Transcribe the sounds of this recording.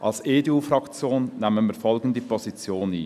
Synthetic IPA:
ʔɑlseːdeuːfrɑkt͡sjoːnːɛmənmiːfɔlɡən̩dəpʰɔzit͡sjoːnḭː

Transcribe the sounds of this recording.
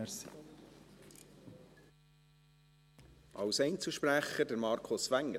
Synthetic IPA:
əɾsḭ | ʔɑwsɛɪnt͡sl̩ʃpræχədəɾmɑːɾkʰʊsʋæŋːə

